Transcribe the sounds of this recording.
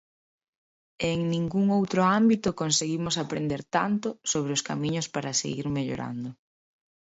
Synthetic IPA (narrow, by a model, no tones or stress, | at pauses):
eŋnĩŋɡuŋowt̪ɾʊambit̪ʊkonseɣimʊsapɾend̪eɾt̪ant̪ʊsoβ̞ɾɪʊskamiɲʊspaɾasḛɣiɾmeʎo̰ɾa̰nd̪ʊ